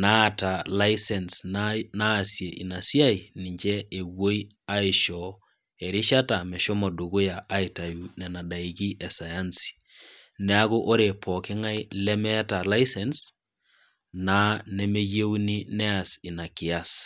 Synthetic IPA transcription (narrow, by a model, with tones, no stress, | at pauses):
na˦ta˨la˦isɛ˨nsnaː˦sje˨ʔi˨na˨si˦a˦i˨nɪ˨ɲt͡ʃɛ˦e˨wo˦i˦ | a˦ɪ˨ʃɔ | e˨ɾɪ˦ʃa˦ta˨mɛ˨ʃo˦mɔ˨du˨ɡʊ˦ja˨ʔa˦ita˨ju˨nɛ˨na˨da˨iki˦ʔɛ˨sa˨ja˦nsi̥ | nɛ˦a˦ɣo˦ʔo˦ɾe˨pʰɔ˨kɪ˦ŋa˦i˦lɛ˦mɛ˦ta˨la˦isɛns | na˦ne˦me˦je˦wni˦nɛ˦a˨sɪ˨na˨kɪ˨as